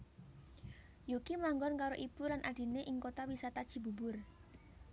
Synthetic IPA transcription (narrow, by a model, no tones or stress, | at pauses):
jukimaŋɡɔnkaɾoʔib̥ulanʔaɖ̥i̤neʔɪŋkot̪awisat̪ad̥ʒ̥i̤bṳbʊr